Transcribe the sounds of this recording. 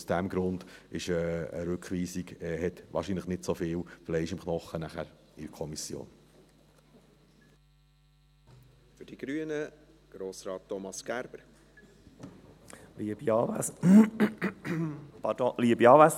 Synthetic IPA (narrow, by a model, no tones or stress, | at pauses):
usd̥æmɡɾʊnd̥ɪʃəə̰ɾʉkχʋiːsiɡɛhɛt̪ʋɑ̰ːɾʃiːnləχnɪtsofɪːwflɛɪɪʃɪmχnɔχːənæχæɾ | ɪɾkʰɔmisjo̰ːn | fʏɾd̥iɡ̥ɾyənəɡ̥ɾoːsɾɑːtːɔmɑsɡ̥æɾb̥əɾ | liəb̥iɑːʋæs | pɑdoliːəbiɑːʋæs